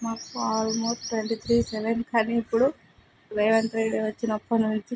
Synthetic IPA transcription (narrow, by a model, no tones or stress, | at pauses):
maːkuaːɾumoːɾʈʋeɳʈit̪ʰɾiːsɛʋenkaːniːpːuɽu | ɾejʋɐnt̪ɾeɽeʋɐt͡ʃːinɐpːunuɲt͡ʃi